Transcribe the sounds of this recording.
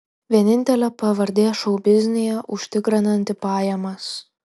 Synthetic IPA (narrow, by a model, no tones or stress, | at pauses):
ʋʲiɛnʲɪnʲt̪ʲɛlʲɛpɐʋɐɾʲd̪ʲeːʃɒʊbʲɪzʲnʲɪjɛʔʊʃʲt̪ʲɪkɾʲɪnɐnʲt̪ʲɪpɑːjɛmɐs